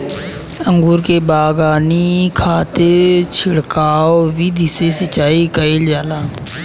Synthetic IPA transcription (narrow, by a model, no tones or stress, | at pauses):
ə̃ŋɡuːɾkeːbaːɡaːnikʰaːt̪et͡ʃʰɪɽkaːoʋiːd̪ʱɪsesət͡ʃaːikəiːld͡ʒaːlaː